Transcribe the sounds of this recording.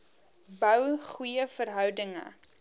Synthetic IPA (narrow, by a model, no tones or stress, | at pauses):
bœwχujəfərɦœwdəŋə̰